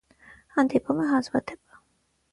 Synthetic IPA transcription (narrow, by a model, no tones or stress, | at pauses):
hɑnd̪ipʰumɛɦɑzvɑt̪ʰɛpɑ̥